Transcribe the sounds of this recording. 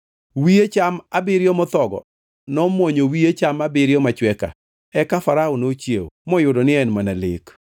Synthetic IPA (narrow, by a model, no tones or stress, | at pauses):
wiet͡ʃamabɪɾjɔmɔt̪ɔɡɔ̰ | nɔmwɔɲowiet͡ʃamabɪɾjɔmat͡ʃwɛka̰ | ɛkafaɾaonot͡ʃjew̰mɔjʊdɔnɪɛnmanalɪ̰k